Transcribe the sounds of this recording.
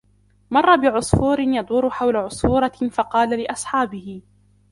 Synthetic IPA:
mɑrˤːɑbɪʕʊsˤfuːɾɪnjɑd̪ˤʊːɾʊħawlaʕʊsˤfuːɾˤɑfɑqɑːlalɪʔɑsˤħɑːbɪhɪ

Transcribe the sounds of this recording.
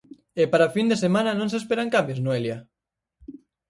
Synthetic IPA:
epaɾafind̪esemãnanõnsespeɾaŋkambjoznoelja

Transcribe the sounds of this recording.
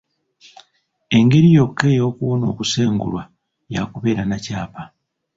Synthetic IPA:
e̞ŋɡe̞ɾijo̞kːe̞jo̞ːkuβo̞no̞ːkuse̞ːŋɡṵlwa | jakuβe̞ːɾanacaːpa

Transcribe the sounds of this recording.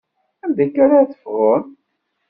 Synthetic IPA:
ænd̪ækːaɾaθə̥fʁon

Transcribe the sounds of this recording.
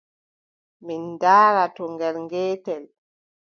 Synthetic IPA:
mindaːɾatɔŋɡɛɾŋɡɛːtɛl

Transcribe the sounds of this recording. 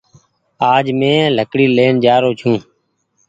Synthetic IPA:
aːd͡ʒmẽːləkɽiːleːnd͡ʒaːɾoːt͡ʃʰũː

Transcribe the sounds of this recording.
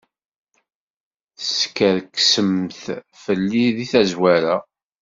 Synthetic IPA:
θəskːəɾkːsəmθ | fəlːiðiθæzwæɾa

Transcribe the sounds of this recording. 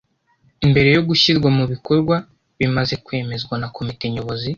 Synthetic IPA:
imbe̞ɾe̞jo̞ɡuʃizɡwamuβiko̞ɾɡwa | βimaze̞kwe̞ːme̞zɡwanako̞mite̞ɲo̞βo̞zi

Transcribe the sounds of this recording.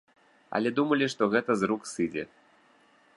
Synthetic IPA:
a̰lʲɛd̪umɐlʲiʂt̪ɔɣɛt̪əzruksɨd͡zʲḛ

